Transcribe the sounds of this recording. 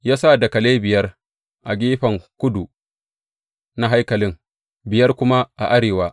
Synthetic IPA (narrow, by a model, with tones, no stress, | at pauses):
jaː˦sa˦˨da˨kɐ˨leː˦bɪ˨jɐ˦r | ʔa˨ɡʲiː˦ɸɐ˨ŋkʷʊ˦du˨ | na˦ɦa˦jkɐ˨lɪ˦ŋ | bɪ˨jɐ˦rkʷʊ˦ma˦ʔa˨ʔa˦ɽeː˨waː˦